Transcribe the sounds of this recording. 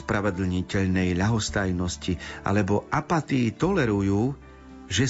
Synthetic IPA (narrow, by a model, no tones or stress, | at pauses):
spɾaʋɛd̪l̩ɲicɛʎnɛjʎaɦɔst̪ajnɔscia̰lɛbɔʔapat̪iːt̪ɔlɛɾujuː | ʒɛ